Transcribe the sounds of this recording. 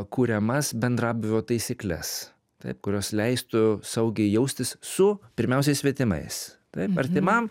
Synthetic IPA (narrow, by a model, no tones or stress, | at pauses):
kuːɾʲɛmɐsbʲɛnd̪ɾɑːbʲɪʋʲoːt̪ɐɪsʲɪklʲɛ̰s | t̪ɐ̰ɪp̚kʊɾʲoːslʲɛɪst̪ʊsɐʊɡʲɛɪjɛʊsʲt̪ʲɪssʊpʲɪɾʲmʲɛʊsʲɛɪsʲʋʲit̪ʲɪmɐ̰ɪst̪ɐɪpɐɾʲt̪ʲɪmɐm